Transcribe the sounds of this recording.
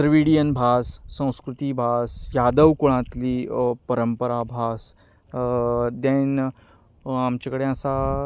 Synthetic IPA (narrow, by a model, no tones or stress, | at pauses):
t̪ɾəʋiɽijənbʱasːə̃w̃skɾut̪ibʱasjad̪əʋkoɭ̃ãt̪liːpəɾəmpəɾabʱas | d̪ẽn | amt͡ɕakəɽeəsa